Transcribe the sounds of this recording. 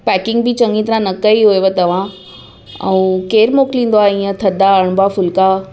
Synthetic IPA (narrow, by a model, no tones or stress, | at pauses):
pɛːkɪ̃ŋɡbɪt͡ɕɐ̃ŋɡĩt̪ɐɾãnɐkɐiɦoeʋet̪ɐʋ̤ã | ɛ̃ũkeːɾmoːklĩːn̆d̪oaːĩə̃t̪ʰɐd̪ʱaɐɽ̃bafʊlka